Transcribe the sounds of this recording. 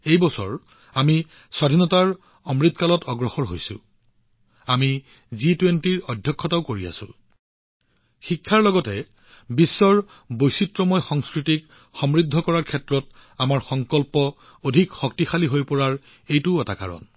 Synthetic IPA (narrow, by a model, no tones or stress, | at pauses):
ejbɔsɔ̰ɹ | ami | swadʱinɔtaɹ | ɔmɹid̪̚ʱkalɔtɔɡɹɔxɔɹɦo̰jsʊ̰ | ami | zitwentiɹɔdʱjɔkʰːɔtaʊkoɹia̰sʊ̰̃ | xikʰːaɹlɔɡɔtɛ | bisːɔɹ | bojsitɹɔmɔjxɔŋskɹitik | xɔmɹidʱːɔkɔɹaɹkʰɛtɹɔt | amaɹxɔŋkɔlpɔ | odʱikxɔk̚tixaliɦojpɔɹaɹ | ejtʊɛtaka̰ɹɔ̰n